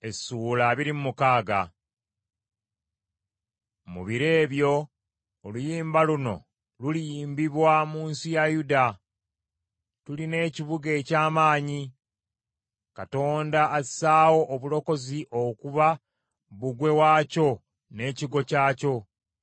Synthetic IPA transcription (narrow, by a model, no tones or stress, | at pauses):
e̞suːlaβiɾimumukaːɡa̰ | mṵβiɾe̞ːβjo̞ː | lujiːmbaluno̞̰ | lulijiːmbiβwamuːnsijajuda | tuline̞ːciβuɡe̞ːcaːmaːɲi | kato̞ːndḁːsaːwo̞ʔːβulo̞ko̞ziʔokuβa | βuɡwe̞waːco̞ | ne̞ːciɡo̞caːco̞